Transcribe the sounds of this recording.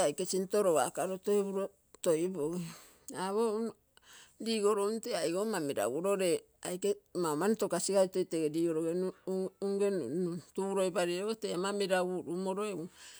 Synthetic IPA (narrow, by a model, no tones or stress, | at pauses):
ajkesintoɾoa̰kaɾotoeβuɾo | tojbo | aβo | diːɡoɾonteajɡomamiɾa̰wuɾoɾe | ajkemamanitokasiɡaitojteɡediːɡoɾoɡeuŋɡentuɾojbaɾiootemamiɾauɾumoɾoeu